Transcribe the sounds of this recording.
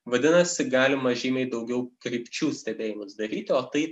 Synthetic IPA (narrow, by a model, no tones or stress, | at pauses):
ʋɐd̪ʲɪnɐsʲɪɡɑːlʲɪmɐʒʲiːmʲɛɪd̪ɐʊɡʲɛʊkɾʲɪpʲt͡ʃʲuːsʲt̪ʲɛbʲeːjɪmʊsd̪ɐɾʲiːt̪ʲɪoːt̪ɐɪ